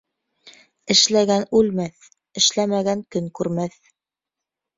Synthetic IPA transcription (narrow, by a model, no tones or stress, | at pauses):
ɘ̆ʃlæɡænʉlmæθ | ɘ̆ʃlæmæɡæŋkɵŋkʉɾmæθ